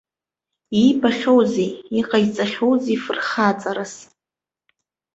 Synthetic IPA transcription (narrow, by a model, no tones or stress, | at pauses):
ibaχʲowzeiqʼait͡sʼaχʲo̞wzifɨrχat͡sʼaɾas